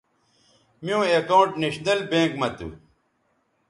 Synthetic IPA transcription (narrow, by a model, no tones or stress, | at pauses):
mijũːekaũɳʈneɕnɐlbẽːkmɐt̪ṵ